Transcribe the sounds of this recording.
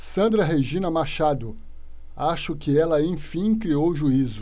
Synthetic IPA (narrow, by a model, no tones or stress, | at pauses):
sɐ̃nd̪ɾɐɦejʒĩnɐmaʃad̪ʊ | aʃʊkɪɛlɐẽj̃fĩj̃kɾiowʒuizʊ